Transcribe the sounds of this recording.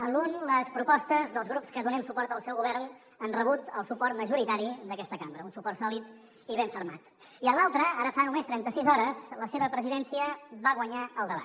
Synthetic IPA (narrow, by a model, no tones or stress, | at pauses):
əlunləspɾupɔst̪əzðəlˠzɣɾupskəðunɛmsupɔrt̪əlˠsɛwɣuβɛrn | ənrəβut̪əlˠsupɔrt̪məʒuɾit̪aɾid̪əkɛst̪əkambɾəunsupɔrtsɔlit̪ | iβeɱfəɾma̰t̪ | iəlˠalˠt̪ɾəaɾəfanumest̪ɾɛnt̪əsizɔɾəzləseβəpɾəziðɛnsiəβaɣwəɲaəlˠd̪əβa̰t̪